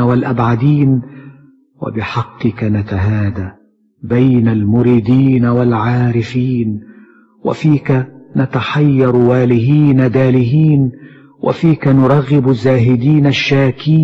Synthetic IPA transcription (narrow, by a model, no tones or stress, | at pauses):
walʔabʕad̪iːn | wa̰bɪħɑqːɨkanat̪aɦaːd̪a | bajnalmʊɾiːd̪iːnawalʕaːɾɪfiːn | wa̰fiːkanat̪aħɑjːɑɾˤwaːlɪhiːnad̪aːlɪhiːn | wʔa̰fiːkanʊɾˤɑɣːɪbʊzːaːɦɪd̪iːnaʃːaːkiː